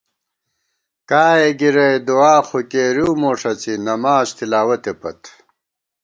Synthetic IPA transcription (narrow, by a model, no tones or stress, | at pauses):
kaːeɡiɾɐjd̪uaːxokeːɾuwmoːʂɐt͡sinɐmaːst̪ilaːwɐt̪epɐ̰t̪